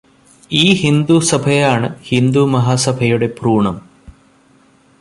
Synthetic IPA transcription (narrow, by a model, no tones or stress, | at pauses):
iːhind̪usɐbʱɐjaːɳɨhind̪umɐɦaːsɐbʱɐjuɽe̞pruːɳɐm